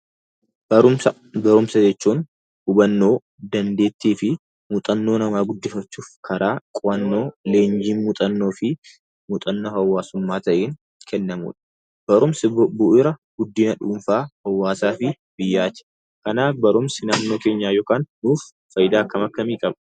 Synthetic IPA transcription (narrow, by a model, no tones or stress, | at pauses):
ʊm | bɐɾʊmsɐd͡ʒɛt͡ʃːuːn | hʊbɐnːoː | d̪ɐnd̪e̞ːt̪ːeːfɪ | mʊt̪ʼɐnːo̞ːnɐmaːɡʊd̪ːɪfɐt͡ʃːuːfkʰɐɾaːkʼʊɐnːo̞ːle̞ːnd͡ʒiːnmʊt̪ʼɐnːo̞ːfɪ | mʊt̪ʼɐnːoːhɐwːaːsʊmːaːt̪ɐʔeːŋ | kʰɛnːɐmṵːᶑɐ̥ | b̥ɐɾʊmsɪbbbʊʔɪɾɐɡ̥ʊd̪ːiːnɐᶑuːmfaːhɐwːaːsaːfɪ | bɪjːaːt͡ʃ̪ɛ̥ | kɐnaːfbɐɾʊmsɪnaːmno̞ːke̞ːɲːaːjoːkaːnːuːfːɐjɪd̪aːkːɐmɐkːɐmiːkʼɐbɐ̥